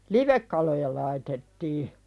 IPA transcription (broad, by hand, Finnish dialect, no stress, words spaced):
liʋekːɑlojɑ lɑitetːiː